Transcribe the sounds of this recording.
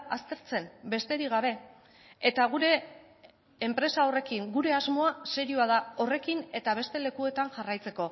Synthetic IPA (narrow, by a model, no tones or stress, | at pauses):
ast̪e̞ɾt͡se̞mbe̞st̪e̞ɾiɣ̞aβe̞ː | t̪aɣ̞uɾe̞ː | mpɾe̞sao̞re̞kiŋɡuɾe̞azmo̞ase̞ɾiuaðao̞re̞kine̞t̪aβ̞e̞st̪e̞le̞kue̞t̪aŋʝarajt͡se̞ko̞